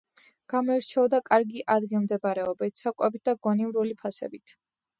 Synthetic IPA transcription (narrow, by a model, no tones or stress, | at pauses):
ɡ̥amɔɛɾt͡ʃʰɛɔd̪akʼaɾɡiʔad̪ɡilˠmd̪ɛbaɾɛɔbit̪ʰsakʼwɛbit̪̚d̪aɡɔnivɾulipʰasɛ̰bit̪ʰ